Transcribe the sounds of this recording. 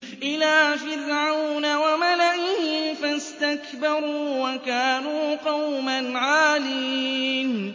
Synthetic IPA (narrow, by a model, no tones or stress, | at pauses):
ʔɪlaːfɪɾʕawnawamalaʔɪhɪfast̪akbɑɾˤuːwakaːnuːqɑwmanʕaːliːn